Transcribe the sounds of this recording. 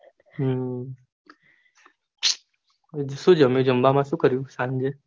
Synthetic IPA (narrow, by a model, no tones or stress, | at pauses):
ɦ | ʃũːd͡ʒəmjũd͡ʒəmbamãʃũːkəɾjũsãŋd͡ʒe